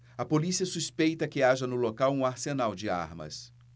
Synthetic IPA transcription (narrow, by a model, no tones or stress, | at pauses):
ɐpolisiɐsuspejt̪ɐkɪaʒɐnʊlokawũaɾsenawd͡ʒɪa̰ɾmɐ̰s